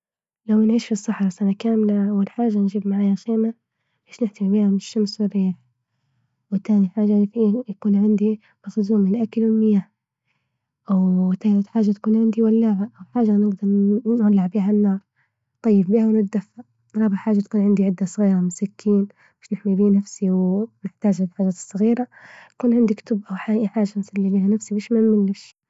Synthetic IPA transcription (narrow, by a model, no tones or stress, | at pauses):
lawnʕiːʃfisˤːɑħɾˤasʔanakaːmlaʔawːalħaːʒːand͡ʒiːbmaʕaːjaxeːma | ʕeːʃnɪħt̪ibiːhamɪʃːamswɪriːħ | wɪt̪ːaːniħaːʒaijakuːnʕɪnd̪i | maxzuːmɪlʔakalwɪlmɪjaː | ʔawt̪ːaːlɪt̪ħaːʒːat̪ḁkuːnʕɪnd̪iwalːaːʕaʔawħaːʒanɪɡd̪ɑɾˤnʕalːɪʕbiːɦanːɑːɾˤ | t̪ˤɑjːɪbbiːhawnɪt̪̚d̪afːa | ɾˤɑːbɪʕħaːʒat̪̚kuːnʕɪnd̪iʕɪd̪ːasˤɣiːɾamʊsakʰːiːn | mɪʃnɪħmibiːnafsiwnɪħt̪aːʒaħaːʒaːt̪ɨ̥sˤːɨɣiːɾajḁkuːnʕɪnd̪ikt̪ʊbʔawħaːħaːʒansalːibiːhanafsibeːʃmamɪnlːɪʃ